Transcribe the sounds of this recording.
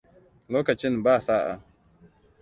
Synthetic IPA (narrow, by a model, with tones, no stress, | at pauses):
loː˦kɐ˨t͡ʃɪ˦nbaː˦˨saː˦ʔa̰˨